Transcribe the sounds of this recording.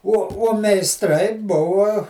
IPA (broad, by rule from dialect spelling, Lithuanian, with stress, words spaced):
uɔ uɔ mʲɛɪsˈtrɐɪ ˈbʊʋɐ